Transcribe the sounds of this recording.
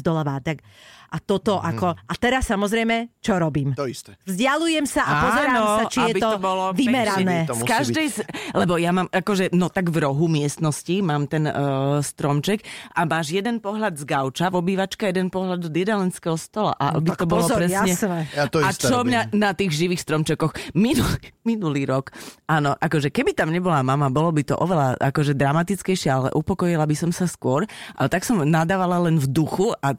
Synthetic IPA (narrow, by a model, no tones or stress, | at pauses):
zd̪ɔlaʋaːt̪akʔat̪ɔt̪ɔʔakɔʔat̪ɛɾasːamɔzɾɛjmɛt͡ʃɔɾɔbiːmt̪ɔist̪ɛvzɟalujɛmsaʔapɔzɛɾaɔmsat͡ʃijɛtbiɔbɔlɔʋimɛɾanɛːskaʒd̪ɛjslɛbɔjamaːmʔakɔʒɛnɔt̪aɡvɾɔɦumɪɛst̪nɔscimaːmt̪ɛnst̪ɾɔmt͡ʃɛkʔamaːʒjɛd̪ɛnpɔɦlʎad̪zɡaʊt͡ʃaʋɔbiːʋat͡ʃkajɛd̪ɛnpɔɦlad̪ɔd̪ɪɛd̪alɛnskɛɦɔst̪ɔla̰ʔa̰bit̪ɔbɔlɔpɾɛsɲɛt̪ɔat͡ʃɔmɲanat̪iːɣʒiʋiːxst̪ɾɔmt͡ʃɛkɔxminuliminuliːɾɔkanɔʔakɔʒɛkɛbit̪amɲɛbɔlamamabɔlɔbit̪ɔ̰ʔɔʋɛlaʔakɔʒɛd̪ɾamat̪it͡skɛjʃɪɛalɛ̰ʔupɔkɔjilabisɔmsaskʊɔɾʔa̰t̪aksɔmnad̪aːʋalalɛnvd̪uxua